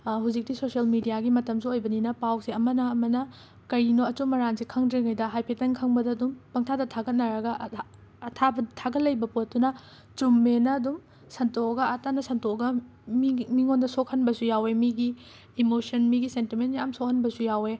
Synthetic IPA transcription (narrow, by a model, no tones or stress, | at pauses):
ɦuzik̚tisoselmidijaɡimɐtɐmsuojbɐninɐpawsiɐmɐnɐɐmɐnɐ | kɐɾinoɐt͡ʃumɐɾansikʰɐŋdɾiŋɐjdɐɦajpʰetɐnkʰɐŋbɐdɐːdumpɐŋtʰadɐtʰaɡɐt̚nɐɾɐɡɐ | ɐtʰabɐtʰaɡɐtlɐjbɐpot̚dunɐ | t͡ʃumːenɐːdum | sɐntoɐɡɐɐtanɐsɐntoɡɐ | mimiŋondɐsok̚hɐnbɐsujawemiɡiː | mosɐnmiɡisentimentjamsok̚hɐnbɐsujawe